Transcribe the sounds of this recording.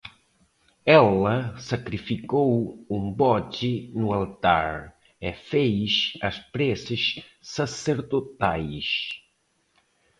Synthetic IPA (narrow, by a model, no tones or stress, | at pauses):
ɛlɐsakɾifikowumbɔt͡ʃinualt̪a̰ɾ | efejʃɐspɾɛsəʃːaseɾðot̪ajʃ